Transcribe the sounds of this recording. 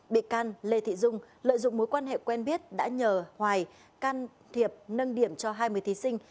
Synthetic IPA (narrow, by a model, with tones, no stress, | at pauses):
ɓḭ˧˨kaː˧nle˧t̪ʰḭ˧˨zʊ˧ŋ͡m | lə̰ː˧˨jzʊ̰˧˨ŋ͡mmo˨˦jkwaː˧nɦḛ˧˨kwɛ˧nɓi˦˥ət̚ɗa̰ː˧˥ɲəː˨˩hwaː˨˩j | kaː˧n | t̪ʰi˨˩əp̚nə˧nɗi˧˩əmt͡ɕɔ˧ɦaː˧jmɨ˧˩əjt̪ʰi˨˦sï˧ŋ̟